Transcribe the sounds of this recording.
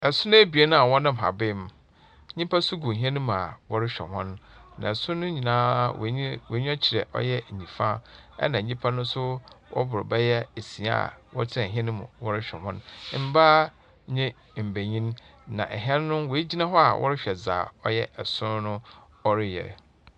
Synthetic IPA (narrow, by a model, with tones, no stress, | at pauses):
ɛ˨sʊ˦nʊ̃˦e˦bi˨e˦nʊ̃˦a˨wɔ̃˦nã˦m̩˨a̰˨bɪ˦m˦ | ɲĩ˦pʰa˦sʊ˦ɡu˨ɦɛ̃˦nʊ̃˦m̃˨a̰˨wɔ˦ɾɪ˦ɕᶣɛ̰˨hɔ̃˦nnã̰˨sʊ̃˦nʊ̃˦ɲĩ˨nãː˦˨we˨˦ɲ˦ɔ˦t͡ɕʰɪ˨ɾɛ̰˨ʔɔ̰˦jɛ˦˨ĩ˨fã˦ɛ̰˦nã˨ɲĩ˦pʰa˦nʊ̃˦sʊ˦wʔɔ̰˦bʊ˨ɾɪ˨bɛ˦jɛ˦e˨si˨a̰˦a̰˨wɔ˦tʰɪ˦ɛ̃˨ɦɛ̃˦nʊ̃˦mʊ̰̃˨wɔ˦ɾɪ˦ɕᶣɛ̰˨hɔ̰̃˦n˦m̩˦baː˦ | ɲɛ̃˦˨ | m̩˨be˨ɲĩ˦nnã˨ʔɛ̰˨ɦɛ̃˦n˦nʊ̃˦wɔ˨e˦d͡ʑi˦nã˦ɦɔ˦a˨wʔɔ̰˦ɾɪ˦ɕᶣɛ˨zaː˨ɔ˦jɛ˦ɛ˨sʊ̃˦n˦nʊ̃˦ | ɔ˦ɾɪ˦jɛ̰˨